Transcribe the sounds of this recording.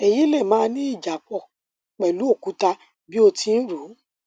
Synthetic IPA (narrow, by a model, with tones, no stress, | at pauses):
e˨ji˨˦lɛ˦˨mãː˨˦nĩ˦i˦˨d͡ʒa˨k͡pɔ˧˨ | k͡pɛ˨lu˨˦o˦˨ku˨˦ta˧ | bi˦o˧tĩ˧n̩˦ɾu˨˦